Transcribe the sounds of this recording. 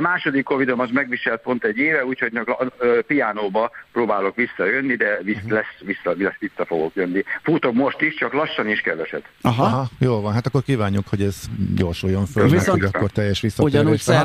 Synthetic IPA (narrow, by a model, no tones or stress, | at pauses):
ɒmaːʃo̞d̪ikːovid̪o̞mɒʃmɛɡʋiʃɛlt̪̚po̞nt̪ɛɟːeːvɛuːcho̞ɟnɒkøpijaːnoːbɒpɾoːbaːlo̞kʋisːɒjø̞nːid̪ɛvislɛsʋisːɒiɛsʋisːɒfoɡo̞kjønːifut̪omo̞ʃt̪iʃt͡ʃɒklɒʃːɒniʃkɛd̪vɛʃɛ̰d̪ɒɦɒɒɦɒjoːlvɒnɦat̪ɒkːorkiːvaːɲːukhoɟɛz̥ɟo̞rʃujːoɱfølviɛooɒkːo̞rt̪ɛjːɛʃʋisːɒoɟɒnuːʃsɛ